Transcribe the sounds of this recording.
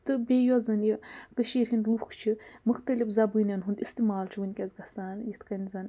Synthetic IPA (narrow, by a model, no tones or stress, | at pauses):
t̪ɨbʲejɔzɐnjikəʃiːɾɦind̪lukʰt͡ʃʰimɨxt̪ɐlifzɐbɨnʲɐnɦund̪ist̪imaːlt͡ʃʰiʋɨnʲkʲɐzɡɐsaːnjit̪ʰkɐnʲzɐn